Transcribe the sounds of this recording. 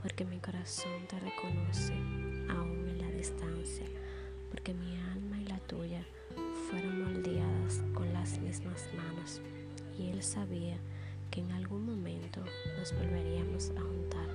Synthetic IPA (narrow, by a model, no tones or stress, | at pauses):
poɾkemikoɾasont̪erekonoseaumelaðist̪ansja | poɾkemialmailat̪uʝa | fweɾoŋmold̪eaðaskoŋlazmezmazmãnos | ielsaβia | keːŋalɣuŋmõmẽnt̪o | nozβolβeɾiamosaont̪aɾ